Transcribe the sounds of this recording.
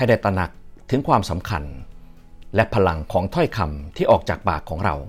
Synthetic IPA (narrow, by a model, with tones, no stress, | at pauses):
kʰa˧jda˥˩jt̪ɾa˧na˨˩k̚t̪ʰɯ˨˩˦ŋkʰwaː˧msa˩˦mkʰa̰˧n | lɛ˦˥pʰa˧la˧ŋkʰɔː˩˦ŋt̪ʰɔ˥˩jkʰa˧mt̪ʰiː˥˩ʔɔː˨˩k̚t͡ɕaː˨˩k̚paː˨˩kʰːɔː˩˦ŋɾa̰˧w